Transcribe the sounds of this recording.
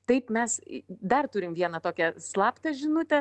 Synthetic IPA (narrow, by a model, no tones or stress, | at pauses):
t̪ɐɪpmʲɛsd̪ɐrt̪ʊɾʲɪmʋʲiɛnɐt̪oːkʲɛslˠɑːpt̪ɐʒʲɪnʊt̪ʲɛ